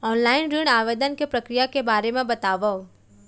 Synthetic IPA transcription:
ɔːnlaːɪnɾiɽaːʋeːd̪ənkepɾɐkɾijakebaːɾemẽbɐt̪aːʋə

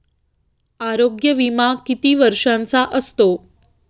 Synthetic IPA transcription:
aɾoɡjəʋimakit̪iːʋəɾʂãnt͡saʔəst̪o

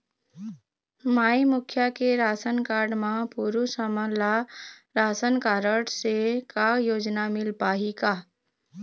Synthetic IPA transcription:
maːimʊkʰjakeɾaːsənkaːɾɖmãpuɾusəməlaɾaːsənkaːɾəɽsekajoːd͡ʒnamɪlpaːɦika

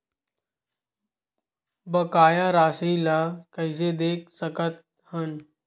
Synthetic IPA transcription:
bəkaːjaːɾaːsiːlaːkəɪseːd̪eːk̚səkət̪̚ | hən

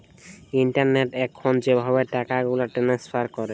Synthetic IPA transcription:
iɳʈaɾneʈɛkʰːɔnd͡ʑebʱabeʈakaɡulaʈeʈansfʰaɾkɔɾe

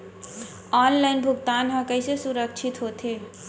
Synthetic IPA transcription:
ɔnlaɪnbʱuɡ̚t̪anɦə̃kəjsesuɾək̚t͡ʃʰit̪ɦot̪ʰe

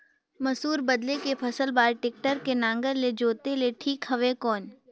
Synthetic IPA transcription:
mɐsuːɾbɐd̪lekepʰɐsəlbaːɾʈɪk̚ʈəɾkenãːŋɡəɾled͡ʒoːt̪eleʈʰiːkhɐʋekɔːn

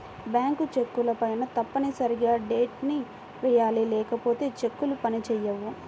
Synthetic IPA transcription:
bjaːŋkut͡ʃe̞kːulɐpɐjnɐt̪ɐpːɐnisɐɾiɡaːɖeːʈni | ʋɛjaːlilɛːkɐpo̞ːt̪e̞ːt͡ʃe̞kːulupɐnit͡ʃɛːjːɐʋːu

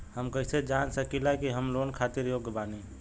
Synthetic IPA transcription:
həmkəɪsed͡ʒansəkilakiɦəmlonkʰat̪iɾjoɡbani

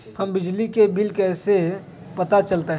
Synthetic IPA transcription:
hɐmbɪd͡ʒlikebilkɛːse | pɐt̪at͡ʃəlt̪eɦ

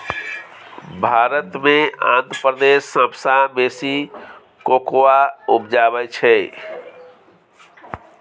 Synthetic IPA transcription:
bʱaɾət̪meã̰nt̪pɾəd̪esːə̃bsabesi | kokowaupd͡ʒabɛt͡ʃʰɛ

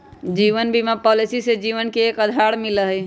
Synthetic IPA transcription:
d͡ʒiʋənbʱimapɔlisised͡ʒiʋənkeːkəd̪ʱaɽmiləɦɛ

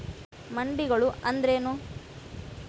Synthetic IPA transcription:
mɐɳɖiɡɐɭuɐnd̪ɾeːnu

